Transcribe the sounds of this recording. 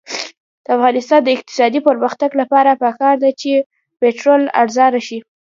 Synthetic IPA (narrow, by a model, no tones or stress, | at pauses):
d̪̥əafɣɑnɪst̪ɑnd̪əɪq̚t̪ɪ̥sɑd̪ipəɾməxt̪aɡlapɑɾapəkɑɾd̪at͡ʃe | peʈɾola̰ɽzɑɾaʃi